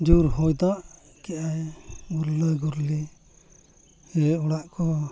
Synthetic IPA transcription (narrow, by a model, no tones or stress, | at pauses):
d͡ʒuɾhɔjd̪aʔ | kɛʔajɡuɾləɡuɾli | hɛɔɽaʔkʰɔ